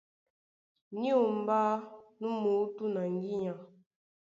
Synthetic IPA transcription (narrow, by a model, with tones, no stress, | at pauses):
ni˦o˨m̩˨ba˦nu˦mu˨˦tu˦na˨ŋ˦ɡi˦ɲa˨